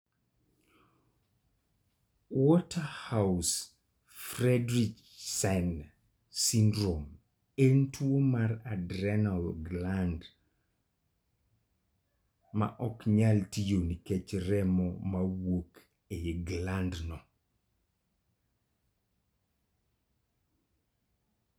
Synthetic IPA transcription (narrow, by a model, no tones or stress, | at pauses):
wɔtahaʊs | fɾɛdɾik | sɛn | sindɾom | entwomaɾadɾɛnalɡland | ma̰ʔɔkɲaltijoniket͡ʃɾɛmɔ̰mawok | eɡlandnɔ